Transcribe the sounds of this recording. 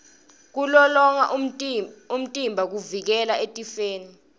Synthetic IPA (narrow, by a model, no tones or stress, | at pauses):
k̬ulɔlɔŋa̰ʔ | um̩tʼimbʱak̬uvik̬ɛlaetʼifeːni